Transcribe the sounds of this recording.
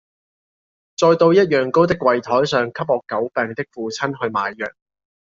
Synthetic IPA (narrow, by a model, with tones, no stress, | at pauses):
t͡sɔː˧jt̪o˧wjɐ˥t̚jœː˨ŋko˥wt̪̬ɪ˥kːwɐ˨jt̪ʰɔː˨˥jsœː˨ŋkʰɐ˥p̚ɔː˨kːɐ˨˥wpɛː˨ŋt̪ɪ˥k̚fuː˨t͡sʰɐ˥nɦɵ˧ɥmaː˨jːœː˨k̚